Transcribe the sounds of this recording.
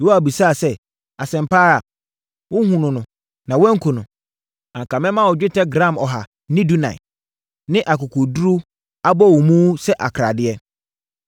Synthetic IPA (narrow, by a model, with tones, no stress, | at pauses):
wo˦a˨bi˨sa˦˨sɛ˦ | a˨sɛ̃˨m˨pʰaː˦ɾa˨ | wʊ˦hũ˨nʊ̃˨nʊ̃˨ | nã˨wɛ̃˦ŋ̩˦kʰʊ˨nʊ̃˨ | ã˨ŋ˨kʰa˨mɛ̃˦mã˦˨wɔ˨d͡ʑᶣɪ˦tʰɛ˦ɡɾã˦˨mɔ˨ɦa˨ | nɪ̃˦du˦nã̰˨ɪ˨ | nɪ̃˦ʔa˨kʊ˨kʰʊ˨du˦ɾu˦ | a˦bɔ˦˨wɔ˨mũ˦sɛ˦ʔa˨kʰɾa˨dɪ˦ɛ˦